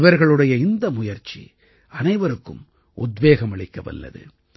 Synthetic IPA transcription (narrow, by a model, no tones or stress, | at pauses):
ʋɐɾɣɐɭɯɽɐjɐɪnd̪ɐmʊjɐɾt͡ʃːḭ | ɐnɐɪʋɐɾɯkːɯ̰m | ʊd̪ʋeːɣɐmɐɭɪkːɐʋɐ̰lːɐ̰ðɯ̰